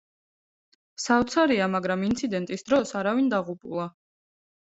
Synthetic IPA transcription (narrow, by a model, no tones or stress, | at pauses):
savt̪sʰaɾiamaɡɾamint̪sʰid̪ɛnt̪ʼisd̪ɾɔsaɾavind̪aʁupʼulˠa